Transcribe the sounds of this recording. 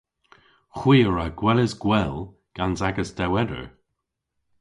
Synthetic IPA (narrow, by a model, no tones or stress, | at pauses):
xwiːɹaɡ̥wɛləzɡwɛl | ɡ̥anzaɡəsd̥ɛwɛdə̰ɹ